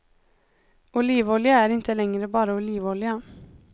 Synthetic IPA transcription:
ʊliːʋɔljəæːɾɪnt̪ʰəlɛŋɾəbɑːɾəʊliːʋɔljə

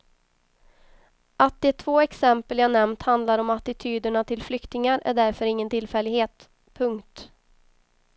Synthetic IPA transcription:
ʔat̪̚d̪ɛt̪ʰvoːɛksɛmpəljanɛmnt̪hand̪laɾɔmat̪ɪt̪ʰyːd̪əɳat̪ʰɪlflʏkt̪ɪŋaɾæ̰ɖæɾfœɾɪŋːənt̪ʰɪlfɛlːɪɡheːt̪ | pʰɵŋkt̪

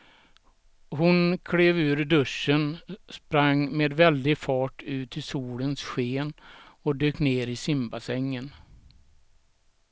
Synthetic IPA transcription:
ɦʊnkʰɽeːvʉ̟ːɾɖ̪ɵʂːənspɾaŋːmeːd̪vɛld̪ɪfɑːʈʉ̟ːt̪ʰɪsuːlənsɧeːnɔd̪øːkneːɾɪsɪmbasɛŋːən

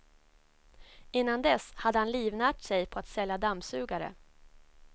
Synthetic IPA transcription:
ɪnːand̪ɛshad̪ːəhanliːvnæːʈsɛjpʰɔat̪sɛljad̪amsʉ̟ːɡaɾə̰

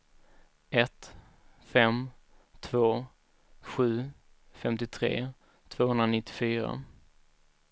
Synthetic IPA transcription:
ɛt̪ | fɛm | t̪ʰvoː | ɧʉ̟ː | fɛmt̪ɪt̪ʰɾḛː | t̪ʰv̥oːhɵnd̪ɾanɪt̪ːɪ̥fyːɾa̰

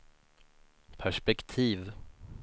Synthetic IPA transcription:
pʰæʂpɛkt̪ʰiːv

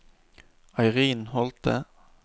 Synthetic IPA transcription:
ɑɪʁiːnhɔlt̪ə̰

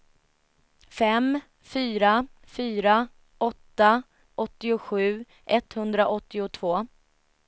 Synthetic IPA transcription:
fɛm | fyːɾa | fyːɾa | ɔt̪ːa | ʔɔt̪ːɪʊɧʉ̟ː | ʔɛt̪hɵnd̪ɾaʔɔt̪ːɪʊt̪ʰvoː

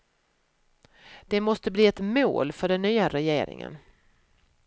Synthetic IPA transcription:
d̪̥ɛmɔst̪əbliːɛt̪mo̰ːlfœɖɛnːyːaɾɛjḛːɾɪ̰ŋə̰n

